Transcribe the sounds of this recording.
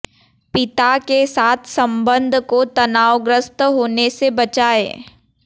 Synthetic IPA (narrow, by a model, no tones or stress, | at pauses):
pɪt̪akesaːt̪ʰsɐ̃mbə̃nd̪ʱkot̪ɐnaːwɡɾəst̪ɦoːnesebɐt͡ʃaːḛː